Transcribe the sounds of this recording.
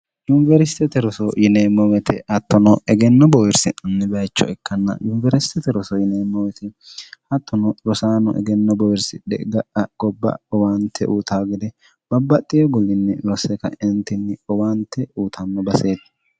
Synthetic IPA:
jʊnɪvɛɾɪst̪ɛt̪ɛɾɔsɔjɪneːmːɔwɛt̪ʰɪhɐt̪ːɔnɔʔɛɡɛnːɔbɔwɪɾsɪnɐnːɪbɐjt͡ʃːɔ̰ɛkːɐnːɐ̰jʊnvɛɾɪst̪ɛt̪ɛɾɔsɔjɪneːmːɔwɛt̪ɪhɐt̪ːɔnɔlɔsaːnɔ̰ʔɛ̰ɡɛnːɔbɔwɪɾsɪᶑɛ̰ɡɐʔɐɡ̥ɔbːɐ̰ɔwaːnt̪ʰɛʔuːt̪ʰaːɡɪd̪ɛ | b̥ɐbːɐt̪ʼːɪjɔɡɔlːɪnːɪlɔsɛkɐ̰ʔɛnt̪ːɪnːɪɔwaːnt̪ʰːɛuːt̪ʰɐnːɔbɐseːt̪ː

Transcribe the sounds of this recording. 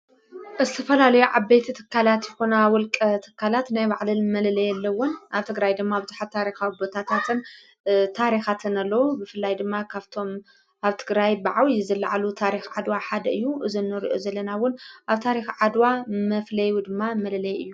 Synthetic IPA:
ʔɨzɨt̪ʰɐfɐlalɐjuʕabet̪ʰit̪ʰɨ̥kʰːalat̪jɛxonawɔlkʼɐt̪ʰɨ̥kʰːalat̪najbaʕlɨnmɐlɐlɐjɛlːɐwʊnʔaβt̪ʰɨɡɾajd̪ɨmːabɨzuħat̪t̪ʰːaɾixawibot̪ʰat̪ʰat̪ʰɨn | t̪ʰaɾixat̪ʰɨnalːɐwubɨfɨlːajd̪ɨmːakʰaβt̪ʰo̞m | ʔaβt̪ʰɨɡɾajbaʕawijzɐlːa̰ʕalut̪ʰaɾixʕad̪waħad̪ɐɨjːuʔɨzinːɨɾiʔozɐlːɐnawʊnʔaβt̪ʰaɾixʕad̪wamɐflɐjwud̪ɨmːamɐlɐlɐjɨjːu

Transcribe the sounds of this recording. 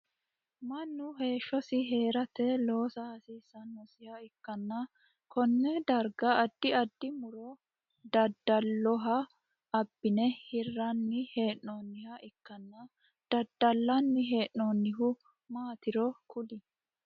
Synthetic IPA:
mɐnːʊɦe̞ːʃːɔsɪɦe̞ːɾɐt̪ɛlo̞ːsɐhɐsiːsːɐnːɔsɪhɐɪkːɐnːɐ | kɔnːɛd̪ɐɾɡɐɐd̪ːɪɐd̪ːɪmʊɾɔ | d̪ɐd̪ːɐlːɔɦɐ | ɐbːɪnɛhɪrːɐnːɪhe̞ːʔoːnːɪhɐʔɪkːɐnːɐ | d̪̥ɐd̪ːɐlːɐnːɪɦe̞ːnːoːnːɪɦʊ | maːt̪ɪɾɔkʰʊlɪ

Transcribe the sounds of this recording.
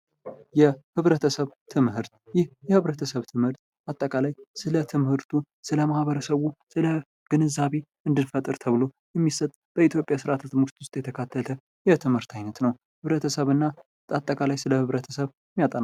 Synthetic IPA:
jɛhɨβɾət̪ʰəsəβt̪ʰɨmhɨɾt̪̚jɪhjɛhɨβɾət̪ʰəsəβt̪ʰɨmhɨɾt̪̚ | at̪ʼːəkʼalajsɨlət̪ʰɨmhɨɾt̪ʰu | sɨləmahβəɾəsəβusɨlə | ɡ̥ɨnɨzaβe̞ʔɨnd̪ɨnfət̪ʼɨɾt̪ʰəβɨlo̞ | jɛmːisət̪ʼb̥əit̪ʰjo̞pʼjasɨɾat̪ʰat̪mɡst̪wʊst̪ʼjɛt̪ʰəkʰat̪ʰːəlt̪ʰə | jɛt̪ʰɨmhɨɾt̪ʰajnət̪nəw | hɨβɾət̪ʰəsəβɨnːa | at̪ʼːəkʼalajsɨləhɨβɾət̪ʰə̥səβjɛmːijat̪ʼəna

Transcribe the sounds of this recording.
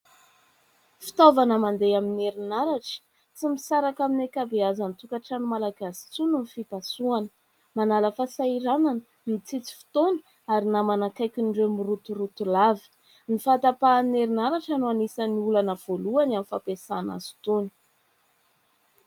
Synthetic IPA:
fi̥t̪ovanəmand̪ejamineɾinaɾaʈ͡ʂə̥ | t͡simisaɾakaminekabeazant̪ukaʈ͡ʂanimalaɡasi̥t͡sununifipasuanə̥ | manaləfasaiɾananə | mit͡sit͡si̥fi̥t̪onə̥ | aɾinamanakajkʲinɖ͡ʐemirut̪uɾut̪ulavi̥ | nifat̪apamineɾinaɾaʈ͡ʂanoanisaniulanəv̥oluanamifapesana̰zu̥t̪uni̥

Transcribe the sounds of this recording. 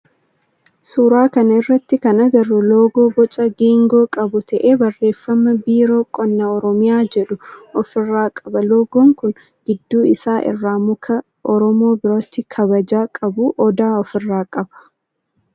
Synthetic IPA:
suːɾaːkɐnɐɪrːɐt̪ːɪkɐnɐɡɐrːʊlo̞ːɡo̞ːbɔt͡ʃʼɐɡiːŋɡo̞ːkʼɐbʊt̪ɐʔe̞ːbɐrːe̞ːfːɐmɐbiːɾo̞ːkʼɔnːɐɔɾɔmɪjaːd͡ʒɛᶑʊɔfɪrːaːkʼɐbɐloːɡɔŋkʊn | ɡɪd̪ːuːɪsaːʔɪ̰rːaːmʊkʰɐ | ʔɔɾɔmo̞ːbɪɾoːt̪ːɪkʰɐbɐd͡ʒaːkʼɐbuːʔɔd̪aːɔfɪrːaːkʼɐb̥ɐ̥

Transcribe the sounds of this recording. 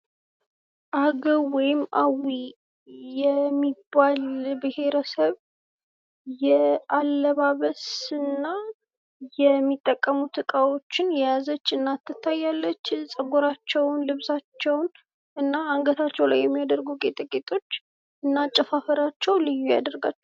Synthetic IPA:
ʔaɡəwɔjɪmːʔa̰wi | jɛmːibːalbɨhe̞ɾəsəβ | jɛalːəβaβəsɨnːa | jɛmːit̪ʼːəkʼːəmut̪ʰɨkʼawo̞t͡ʃːɪnjɛjazət͡ʃːɨnːat̪ːɨt̪ʰːajːalːət͡ʃːsʼəɡoɾat͡ʃːɛwnlɨβsat͡ʃːɛwn | ʔɨnːaaŋɡət̪ʰat͡ʃːɛwlajːɛmːijad̪əɾɡukʼet̪ʼɨkʼet̪ʼo̞t͡ʃː | ʔɨnːat͡ʃʼəfafəɾat͡ʃːɛwlɨjːuja̰d̪əɾɡat͡ʃː

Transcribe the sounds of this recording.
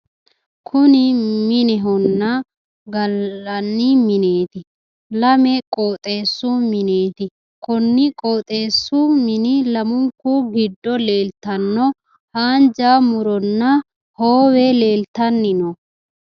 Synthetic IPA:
kʰʊnɪmɪnɛɦɔnːɐ | ɡɐlːɐnːɪmɪneːt̪ɪ | lɐmɛkʼoːt̪ʼe̞ːsːumɪneːt̪ɪ | kɔnːɪkʼo̞ːt̪ʼe̞ːsːumɪnɪlɐmʊŋkuɡɪd̪ːɔle̞ːlt̪ɐnːɔ | haːnd͡ʒaːmʊɾɔnːɐ | hoːwɛle̞ːlt̪ɐnːɪnɔ

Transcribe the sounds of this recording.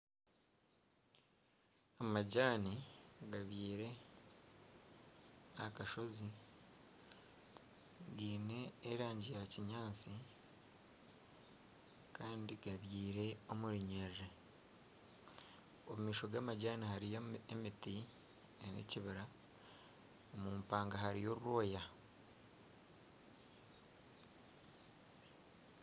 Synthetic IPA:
amaɟaːniɡaβjiːɾe̞ | akaʃo̞zi | ɡiːne̞ːɾaːɲɟijaciɲaːt͡si | kʰaːndiɡaβjiːɾe̞o̞muɾiɲere | omumiːʃo̞ɡaːmaɟaːnahaɾijemiti | enḛciβiɾa | omumpaːŋɡaɦaɾijo̞ɾuɾo̞ːja

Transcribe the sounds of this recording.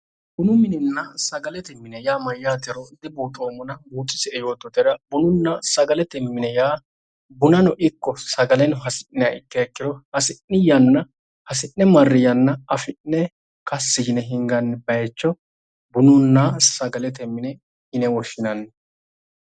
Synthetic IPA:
b̥ʊnʊmɪnɪnːɐsɐɡɐlɛt̪ɛmːɪnɛjaːmɐjːaːt̪ɛɾɔd̪ɛbuːt̪ʼoːmʊnɐbuːt͡sʼːɪsɛɛjoːt̪ːɔt̪ɛɾɐbʊnʊnːɐsɐɡɐlɛt̪ɛmːɪnɛjaː | bʊnɐnɔʔɪkːɔsɐɡɐlɛnɦɐsɪ̥nɪɐʔɪkːɛɛkːɪɾɔhɐsɪnːɪjɐnːɐ | hɐs̬ɪnːɛmɐrːɪjɐnːɐɐfɪnːɛ | kɐsːɪɡɪnɛɦɪŋɡɐnːɛbɐjɛt͡ʃːɔ | bʊnʊnːasɐɡɐlɛt̪ɛmːɪnɛ | ɪnɛwɔʃɪnɐnː

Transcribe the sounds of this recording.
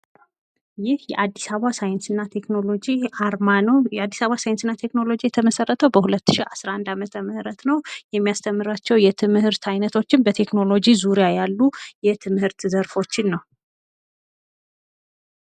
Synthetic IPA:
jɪhjɛ̰ʔad̪ːisaβasajɛnsɨnːat̪ʰe̞kno̞lo̞d͡ʒiaɾmanəwjɛad̪ːisaβasajɪnsɨnːat̪ʰe̞kno̞lo̞d͡ʒijɛt̪ʰəməsərːət̪ʰəwbəhulət̪ːɨ̥ʃiʔasɾaʔand̪amət̪ʰəmɨhɾət̪nəwjɛmːijast̪ʰəmːɨɾat͡ʃːɛwjɛt̪ʰɨmhɨɾt̪ʰajnət̪ʰo̞t͡ʃːɪnbət̪ʰe̞kno̞lo̞d͡ʒizuɾijajalːujɛt̪ʰɨmhɨɾt̪zəɾfo̞t͡ʃːɪnːəw

